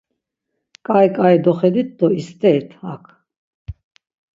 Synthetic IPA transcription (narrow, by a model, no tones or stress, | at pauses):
kʼajkʼaid̪ɔχɛd̪it̪̚d̪ɔist̪ʼɛːt̪ʰhakʰ